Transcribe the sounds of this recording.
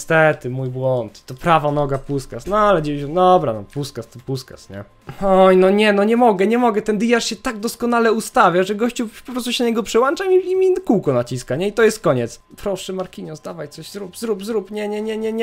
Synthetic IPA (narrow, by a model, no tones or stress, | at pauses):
st̪ɛt̪ɘmujbwɔnt̪ːɔpɾavanɔɡapuskasnɔalɛd͡ʑɛvʲiɕɛd̪ɔbɾa̰nɔ̰puskast̪ɔpuska̰sɲɛ̰ | ɔjnɔɲɛnɔɲɛmɔɡɛɲɛmɔɡɛt̪ɛnd̪ijaʂɕɛt̪aɡ̚d̪ɔskɔn̪alɛust̪avʲjaʐɛɡɔɕt͡ɕupɔpɾɔst̪uɕɛnaɲɛɡɔpʂɛwant͡ʂamiimʲikuwkɔnat͡ɕiskaɲɛit̪ɔjɛst̪̚kɔɲɛt̪spɾɔʂɛmaɾkʲiɲɛzd̪avajt̪sɔɕzɾupzɾupzɾupɲɛɲɛɲɛɲɛɲɛ